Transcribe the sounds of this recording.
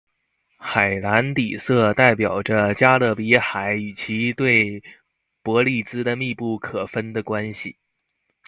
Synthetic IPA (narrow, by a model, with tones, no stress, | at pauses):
xa˨˩ɪla˧˥nt̪i˨˩sɤ˥˧t̪a˥˩ɪpjɑ˨˩ʊʈ͡ʂə˦t͡ɕja˥lɤ˥˩pi˧˥xa˨˩˦ɪy˨˩t͡ɕʰi˧˥t̪we˥˩ɪ | pwɔ˧˥li˥˩t͡sɹ̩˥d̪ə˨mi˥˧pu˥˩kʰɤ˨˩fə˥nd̪ə˨kwa˥nɕḭ˨˩